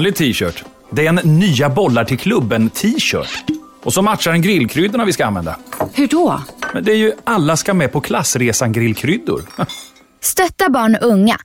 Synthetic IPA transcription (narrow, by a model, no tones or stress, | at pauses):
nlɪt̪ʰiːɕœːʈ | d̪ɛɛnːyːabɔlːaʈʰɪlkʰlɵbːənt̪ʰiːɕœ̰ːʈ | ɔsɔmat̪ʂaɾɛnɡɾɪlkʰɾʏd̪ːʊɳavɪskaanvɛ̰nd̪a̰hɵɖɔmɛ̰nd̪ɛæjɵalːaskamɛpʰɔkʰlasːɾeːsanɡɾɪlːkʰɾʏd̪ːʊ̰ɾ | st̪œt̪ːabɑːɳʔɵŋːa̰